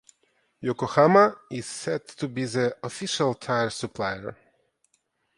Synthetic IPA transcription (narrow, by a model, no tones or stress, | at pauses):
jɔkɔhamaɪz̥sɛd̚tʰubiðəɔfɪʃalˠtʰaɪəɹsupʰlaɪə̰ɹ